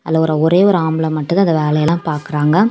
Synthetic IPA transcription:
ɐlːɐɔɾɐɔɾeːʋɔɾɯaːmɯɭɐ̃mɐʈːɯðɐnðd̪ɐʋeːlɐjɐlãːpaːɾkɪɾaːŋɡɐ

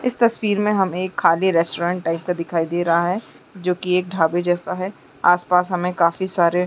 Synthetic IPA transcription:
ɪst̪ɐswiːɾmẽɦɐmeːkʰːaːliɾɛːsʈoːɾãːɳʈːaːɪp̚kad̪ɪkʰaːid̪eːɾɐɦaɦɛː | d͡ʒoːkieːk̚ɖʱaːbed͡ʒɛːsaɦɛ | aːspaːsɦɐmẽkaːfisaːɾe

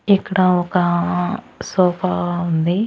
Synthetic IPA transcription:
ikːɐɽaɔka | sɔːpaund̪i

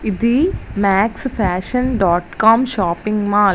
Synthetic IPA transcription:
id̪imaːksfaːʃɐnɖaːʈkaːmʃaːpɪŋɡmaːl

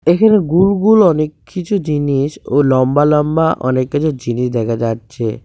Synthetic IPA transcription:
ekʰaneɡulɡulɔnekʰːit͡ɕʰud͡ʑiniʃolɔmbalɔmbaʔɔ̰nekːit͡ɕʰud͡ʑiniʃd̪ɛkʰad͡ʑatːɕʰe

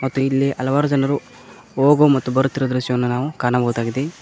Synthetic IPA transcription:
mɐt̪ːuilːiʔɐlɐʋaːɾud͡ʒɐnɐɾu | oːɡomɐt̪ːubɐɾut̪ːiɾɐd̪ɾuʃjɐʋɐnːunaːʋukaːɾnɐbɐɦud̪aːɡid̪e

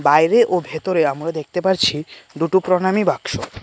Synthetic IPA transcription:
bajɾeʔobʱet̪oɾeamɾad̪ek̚ʰt̪epaɾt͡ɕʰiɖ̪uʈupɾonamibakʃo

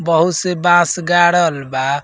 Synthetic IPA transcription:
bəɦut̪sebãsɡaɽəlba

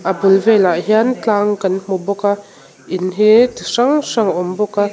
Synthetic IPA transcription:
ʔabulvɛlaʔɦiant͡ɬaːŋkanm̥ɔbɔka | inɦit̪ʂaŋʂaŋɔmbɔka

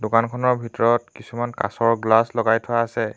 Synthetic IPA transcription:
dokankʰɔnɔɹbʱitɔɹɔtkisumanka̰sɔɹɡlaslɔɡajtʰʊaːsɛ

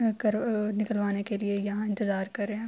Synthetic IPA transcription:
kɐɾnɪkəlʋaːnekeliejɐɦãɪ̃nt̪ɪzaːɾkɐɾːeɦɛ̃

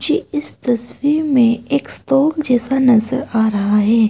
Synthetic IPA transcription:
d͡ʒeːɪst̪ɐswiɾmẽeːkst̪ɔːkd͡ʒɛːsanɐzəɾaːɾɐɦaɦɛː

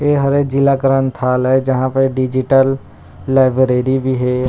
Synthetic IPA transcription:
eɦɐɾed͡ʒɪlakəɾənt̪ʰaːlɦɛd͡ʒɐɦãpəɖɪd͡ʒɪʈəlː | aːɪbɾeːɾibʱiɦɛː

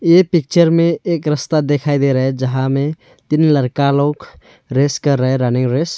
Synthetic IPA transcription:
epik̚t͡ʃəɾmeekɾəst̪ad̪ekʰajd̪eɾəɦed͡ʒəɦãme | t̪inləɾkalõːk | ɾeskəɾːəɦeɾənɪŋɾes

